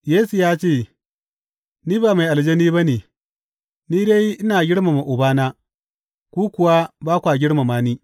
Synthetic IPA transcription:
jeː˦su˨jaː˦t͡ʃeː˦˨ | niː˦baː˨ma˨jʔa˨ld͡ʒe˦ni˦ba˦ne˨ | niː˦de˦jʔɪ˦naː˨ɡʲɪ˦ɽma˨ma˨ʔʊ˨baː˦naː˦ | kʷuː˦kʷʊ˨wa˦baː˦kʷa˨ɡʲɪ˦ɽma˨maː˦niː˦

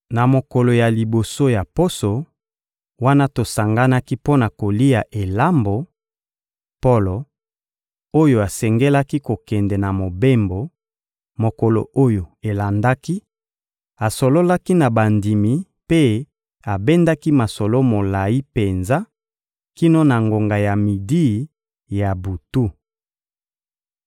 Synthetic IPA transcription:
na˨mo˨kɔ˨lo˨ja˨li˨bo˨so˦ja˨po˦so˨ | wa˦na˦to˨sa˨ŋɡa˦na˦ki˦po˦na˨ko˨li˦ja˨ʔe˨la˦mbo˨ | po˦lo˨ | o˦jo˨a˨sɛ˨ŋɡɛ˦la˦ki˦ko˨kɛ˨ndɛ˨na˨mo˨be˦mbo˨ | mo˨ko˨lo̰˨o˦jo˨e˨la˨nda˦ki˦ | a˨so˨lo˦la˦ki˦na˨ba˨ndi˨mi˨ | pe˦ | a˨be˦nda˦ki˦ma˨sɔ˨lo˦mo˨la˨ji˦pe˨nza˦ | ki˦no˦na˨ŋɡo˨ŋɡa˨ja˨mi˨di˦˨ | ja˨bu˨tu˦

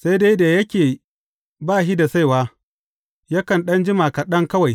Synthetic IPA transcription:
sa˦jde˦jda˨jɐ˦kʲeː˨ | baː˦˨ʃi˦da˨sa˦jwaː˦ | jɐ˦kɐ˨nɗɐ˦nd͡ʒɪ˦ma˨kɐ˨ɗɐ˦ŋkɐ˦wa˨j

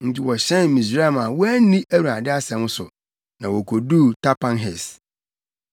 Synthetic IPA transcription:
n̩˦˨tʰi˦wɔ˨ɕɛ̃˦nmĩ˨s̬ɾe˦˨ma˨wɔ˦æ˦nĩ˦ʔæ˦ɾu˨a˨dɪ˦a˦sɛ̃˨m˦sʊ˨ | nã˨wɔ˨kʰo˨du˦tʰa˦pʰã˦nɦɛ˨s

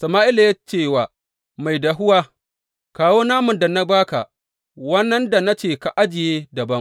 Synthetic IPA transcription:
sɐ˨maː˦ʔɪ˦la˨ja˦t͡ʃeː˦˨waː˨ | ma˨jda˨ɦʊ˦waː˦ | kaː˨woː˦naː˦mʊ˨nda˨na˦baː˦ka̰˨ | wɐ˦nːɐ˦nda˨na˦t͡ʃeː˨ka˨ʔa˦d͡ʒɪ˨jeː˦dɐ˨bɐ˦ŋ

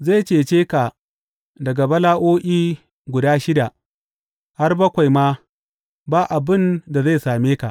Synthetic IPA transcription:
za˦˨jt͡ʃeː˨t͡ʃeː˦ka˨ | dɐ˨ɡa˨bɐ˦laː˦ʔoː˦ʔiː˦ | ɡʷʊ˨daː˦ʃɪ˦da˨ | ha˦rbɐ˦kʷa˨jmaː˦ | baː˦ʔa˨bɪ˦˨nda˨za˦˨jsaː˨meː˦ka˨ʔ

